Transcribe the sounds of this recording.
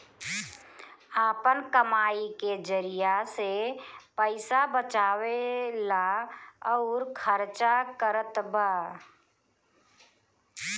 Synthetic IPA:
aːpənkəmaːiked͡ʒəɾijasepəɪsabət͡ʃaːwelaəʊɾkʰəɾt͡ʃakəɾət̪baː

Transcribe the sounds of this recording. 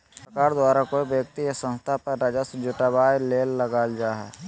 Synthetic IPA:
pɾɐkaːɾd̪waːɾakoibjək̚t̪iesə̃nst̪ʰapəɾːad͡ʒasd͡ʒʊʈabaːleːlːɐɡaːld͡ʒaːɦɛ̰ː

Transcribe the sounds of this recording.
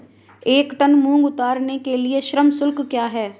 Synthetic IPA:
eːkt̪ənmũːŋɡʊt̪aːɾnekelieʃɾəmsʊlkkjaːɦɛː

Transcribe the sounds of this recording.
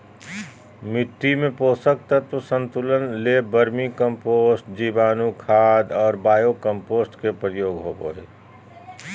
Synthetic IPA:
mɪʈ̪ːimẽpoːsək̚t̪ət̪osə̃nt̪ulənlebəɾmikə̃mpoːsʈd͡ʒiːbaːnukʰaːd̪ɔːɾbaːjokə̃mpoːsʈkepɾəjoːɡɦo̰ːbo̰ɦḛː

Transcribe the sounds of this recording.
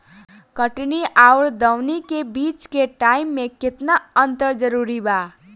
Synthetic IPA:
kʌʈniʔawɾd̪ʌwnikebit͡ʃkeʈaimːeket̪naənt̪əɾd͡ʒʌɾuɾiba

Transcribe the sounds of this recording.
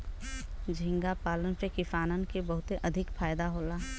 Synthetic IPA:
d͡ʒʱɪ̃ŋɡapaːlənpekɪfaːnənkebɐɦʊt̪eʔɐd̪ʱɪkfaːjd̪aɦoːlaː

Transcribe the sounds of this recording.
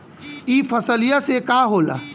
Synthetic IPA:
ipʰəsəlijasekaɦoːla̰

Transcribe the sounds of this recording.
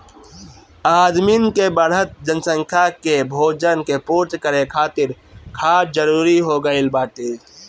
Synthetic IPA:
aːd̪minkebəɾɦət̪̚d͡ʒənsə̃ŋkʰjakebʱoːd͡ʒənkepuːɾt͡ʃkəɾekʰaːt̪ɪɾkʰaːɾd͡ʒəɾuːɾiɦoːɡəilbaːt̪eː

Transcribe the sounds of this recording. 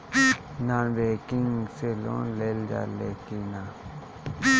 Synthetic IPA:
nanbekiŋselõ̰nleld͡ʒa̰lekina

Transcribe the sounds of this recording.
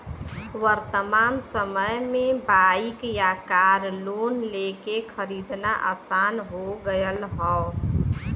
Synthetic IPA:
wəɾt̪əmaːnsəməjmẽbaikjakaɾlonlekekʰəɾid̪naʔa̰sanɦoɡəjəlɦɔ

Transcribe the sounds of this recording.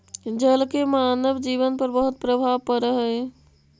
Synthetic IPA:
d͡ʒəlkemaːnəbd͡ʒiːʋənpəɾbəɦʊt̪̚pɾəbʱaːʋpəɾəɦə

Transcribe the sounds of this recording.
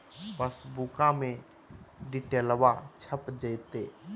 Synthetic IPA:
pəsbukãmẽ | ɖɪʈeːlwat͡ʃʰəpd͡ʒəjt̪eː

